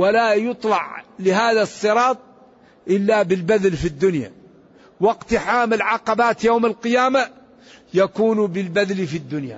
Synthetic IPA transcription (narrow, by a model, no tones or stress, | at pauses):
walajʊt̪ˤlɑʕlɪɦaːðasˤːɨɾˤɑːt̪̚ˤ | ʔɪlːabɪlbaðlfid̪ːʊnja̰ | wɪqt̪ħaːmɪlʕɑqɑbaːt̪jowːmalqɨjaːma | jakuːnbɪlbaðlifid̪ːʊnja̰